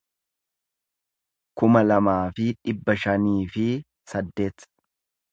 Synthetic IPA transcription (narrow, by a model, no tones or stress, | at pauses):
kʊmɐlɐmaːfɪᶑɪbːɐʃɐniːfɪ | sɐd̪ːe̞ːt̪